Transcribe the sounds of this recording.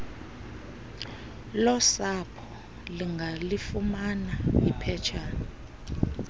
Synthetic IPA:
lɔsapʰɔ | liŋɡʱalifumanaipʰɛt͡ʃʰaːn

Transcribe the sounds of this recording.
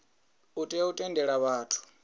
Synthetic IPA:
utʼɛutʼɛndʱɛɺaβaːtʰu̥

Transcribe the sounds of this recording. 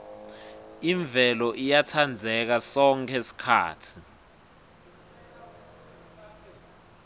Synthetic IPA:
iɱbvʱɛlɔʔijatʰand͡zʱɛk̬asɔŋkʰɛsi̥kʰa̰ːtʰi̥

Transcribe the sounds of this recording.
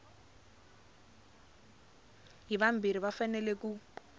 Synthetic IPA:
ɦiβam̩biɾiβafanɛleku

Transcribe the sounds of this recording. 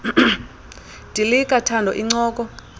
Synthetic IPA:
d̥ʱilikʼatʰandʱɔ̰ʔiŋ͡ǀɔːk̬ʼɔ

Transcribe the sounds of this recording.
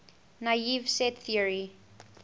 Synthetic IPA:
naivsɛtθiəɹi

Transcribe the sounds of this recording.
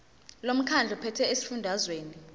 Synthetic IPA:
lom̩kʰand͡ɮʱɔpʰɛtʰɛesi̥fundʱazweːni

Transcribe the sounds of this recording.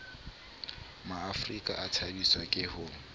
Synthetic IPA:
maːfrikʼa̰ʔatʰadiswakʼɪhʊ

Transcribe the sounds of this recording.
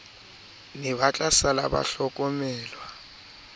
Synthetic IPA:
nɛβat͡ɬʼasala̰ba̰ɬɔkʼɔmɛːlwa

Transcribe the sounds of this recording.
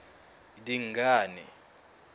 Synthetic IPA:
diŋɡʱaːnɛ

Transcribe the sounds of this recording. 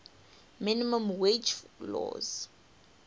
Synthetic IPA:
minimãmwet͡ʃlɔ̰z

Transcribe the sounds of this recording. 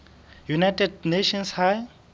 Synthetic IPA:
junajtʰɛdneʃɔnshaj

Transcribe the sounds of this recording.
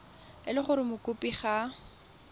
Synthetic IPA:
ɪlɪχʊɾɪmʊkʼʊpʼiχa

